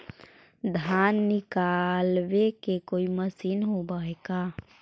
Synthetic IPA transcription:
d̪ʱanːɪkalbekekoːiməsiːnɦobaeɡa

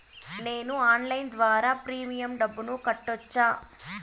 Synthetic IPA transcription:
ne̞ːnuaːnlɐjnd̪ʋaːɾaːpɾiːmijɐmɖɐbːunukɐʈːɔt͡ʃːaː

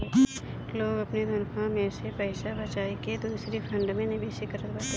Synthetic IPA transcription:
loːɡɐpned̪ʱɐnkʰãmẽsepəɪʃabɐt͡ʃaːeked̪uːsɾipʰə̃ɳɖmẽnɪbeːsikəɾət̪bat̪e

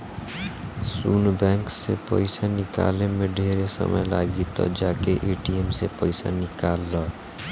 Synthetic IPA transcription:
sunbaŋksepʌ̰jsanika̰lemeɖʱeɾesʌ̰mʌjlaɡit̪ʌ̰d͡ʒakeʔeʈiemsepʌjsa̰nikalːʌ

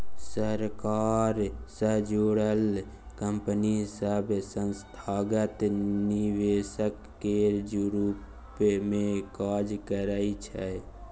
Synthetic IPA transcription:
səɾkaːɾsəd͡ʒoɽəl | kəmpənisəbsə̃nst̪ʰaːɡət̪niʋesəkːed͡ʒɾu | pmẽkaːd͡ʒkəɾəit͡ʃʰɛ

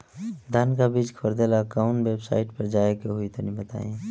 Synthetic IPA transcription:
d̪ʱaːnkabiːd͡ʒkʰəɾd̪elakaʊɳweːbsa̰ːɪʈpəɾd͡ʒaːekeɦʊit̪onibət̪a̰ːẽ

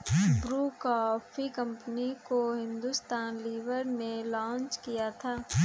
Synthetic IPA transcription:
bɾuːkɔːfʰikɐ̃mpənikoɦɪ̃nd̪ʊst̪aːnliːʋəɾnẽlɔ̃ːnt͡ʃkijat̪ʰaː

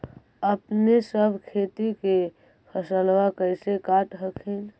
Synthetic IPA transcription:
əpnesəbʱkʰet̪ike | pʰəsəlwakəjsekaʈɦəkʰin

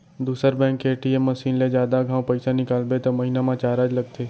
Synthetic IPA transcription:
d̪uːsəɾbɛ̃ːŋkeːʈiemːɐsiːnled͡ʒjaːd̪aɡʱãːwpɐɪsanɪkaːlbet̪omɐɦinamãt͡ʃaːɾaːd͡ʒlɐɡ̚t̪ʰeː

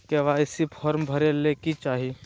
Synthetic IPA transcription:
keʋaːjsipʰɔːɾmbʱɐɾelekit͡ʃaːɦi

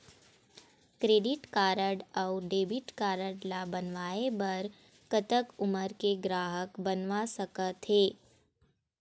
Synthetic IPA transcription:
kɾeːɖɪʈkaːɾəɖɔʊɖeːbɪʈkaːɾəɽlabənʋaːebɐɾ | kət̪əkʊməɾkeɡɾaːɦəkbənʋasəkət̪ɦeː

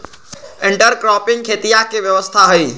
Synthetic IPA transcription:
ẽɳʈəɾkɾɔpɪŋɡkʰet̪ijakeʋjəʋəst̪ʰaɦəi

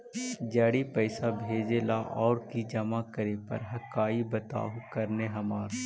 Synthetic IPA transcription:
d͡ʒaːɽipɛɪsabʱeːd͡ʒelaʔɔːɾkid͡ʒɐmakɐɾepɐ̰ɾɦɐkaːibɐt̪a̰ːukɐɾneɦɐmaːɾ

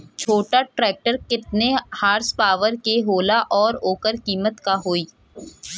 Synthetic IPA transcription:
t͡ʃʰoːʈaʈɾɛːk̚ʈəɾkɪt̪̚nehaːɾspaːʋəɾkeɦoːlaʔɔːɾoːkəɾkiːmət̪kaɦoːiː

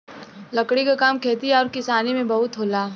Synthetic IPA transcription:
lɐkɽikakaːmkʰeːt̪iɔːɾkɪsaːnimẽbɐɦʊt̪ɦoːlaː

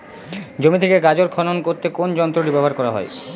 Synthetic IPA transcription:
d͡ʑomit̪ʰekeɡad͡ʑoɾkʰɔnonkoɾt̪ekond͡ʑɔnt̪ɾoɾibebʱaɾkɔɾaɦɔ̰e

